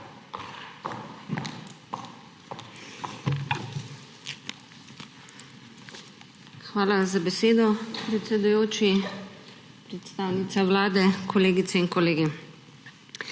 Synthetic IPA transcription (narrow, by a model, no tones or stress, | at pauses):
xʋaːlazabɛseːd̪ɔpɾɛt̪sɛd̪ujoːt͡ʃi | pɾɛt̪st̪aːwnit̪saʋlaːd̪ɛkʰɔleːɡit̪sɛinkɔleːɡi